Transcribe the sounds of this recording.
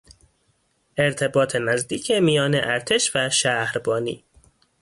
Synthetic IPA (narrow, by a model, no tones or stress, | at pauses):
ʔeɾt̪ʰe̞bɒːt̪ʰenæzd̪iːcʰemijɒːneʔæɾt̪ʰe̞ʃvæʃæhɾbɒːnḭː